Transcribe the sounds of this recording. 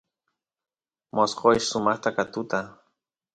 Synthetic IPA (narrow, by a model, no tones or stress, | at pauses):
mʔosqojʃsʊmɑχt̪akat̪ʊt̪a